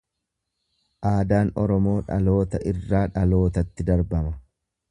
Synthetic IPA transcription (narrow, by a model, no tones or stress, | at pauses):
ʔaːd̪aːnɔ̰ɾɔmo̞ːᶑɐ̰lo̞ːt̪ɐʔɪrːaːᶑɐlo̞ːt̪ɐt̪ːɪd̪ɐɾbɐmɐ